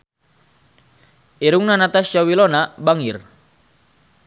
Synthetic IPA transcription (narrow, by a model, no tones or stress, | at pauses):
iɾuŋnanat̪ast͡ʃawilɔnabaŋir